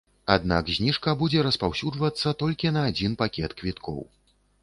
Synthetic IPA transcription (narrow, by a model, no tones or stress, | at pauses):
a̰d̪na̰kzʲnʲiʂkɐbud͡zʲɛɾɐspawsʲud͡ʐvɐt̪sːɐt̪ɔlʲkʲinɐːd͡zʲinpakʲɛt̪kvʲit̪kʰɔ̰w